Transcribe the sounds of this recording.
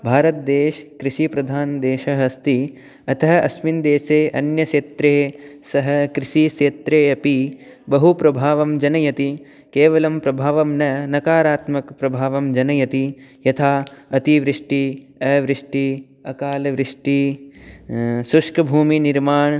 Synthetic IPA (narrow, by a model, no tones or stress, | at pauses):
bʱaːɾɐt̪̚d̪eːʃkɾiʃipɾɐd̪ʱaːnd̪eːʃɐɦɐst̪i | ɐt̪ɐɦɐ̆ɐsmind̪eːseːʔɐnjɐʃeːt̪ɾeːsɐɦɐ̆kɾiʃiʃeːt̪ɾeːɐpibɐɦupɾɐbʱaːʋɐmd͡ʒɐnɐjɐt̪i | keːʋɐlɐmpɾɐbʱaːʋɐmnɐnɐkaːɾaːt̪mɐkpɾɐbʱaːʋɐmd͡ʒɐnɐjɐt̪ijɐt̪ʰaːɐt̪iʋɾɪʂʈi | ɐʋɾiʂʈi | ɐkaːlɐʋɾɪʂʈi | suʂkɐbʱuːminiɾmaːɳ